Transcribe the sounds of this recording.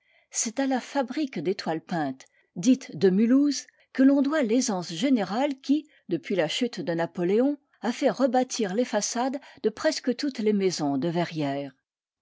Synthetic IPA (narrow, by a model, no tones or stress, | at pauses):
sɛt̪alafabʁikd̪et̪walpɛ̃t̪ | d̪it̪d̪əmyluz | kəlɔ̃d̪walezɑ̃sʒeneʁalkʲi | d̪əpɥilaʃyt̪d̪ənapɔleɔ̃ | afɛʁəbat̪ʰiʁlefasad̪d̪əpχɛskət̪ut̪lemezɔ̃d̪əvɛʁjɛːʁ